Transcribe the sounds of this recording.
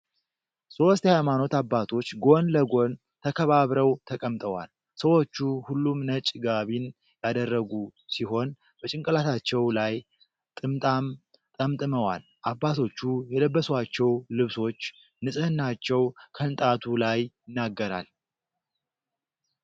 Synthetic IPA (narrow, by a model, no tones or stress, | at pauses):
so̞st̪hajmano̞t̪abːat̪ʰo̞t͡ʃːɡo̞nləɡo̞n | t̪ʰəkʰəβaβɾəwt̪ʰəkʼəmt̪ʼəwa̰l | səwo̞t͡ʃːuhulːumnət͡ʃʼɡaβin | jad̪ərːəɡusiɦo̞n | b̥ət͡ʃʼɪŋkʼəlat̪ʰat͡ʃːɛwlaj | t̪ʼɨmt̪ʼam | t̪ʼəmt̪ʼɨməwal | ʔabːat̪ʰo̞t͡ʃːujɛləbːəswat͡ʃːɛwlɨβso̞t͡ʃː | nɨsʼɨhɨnːat͡ʃːɛwkʰəɨnt̪ʼat̪ʰulajjɪnːaɡːəɾa̰l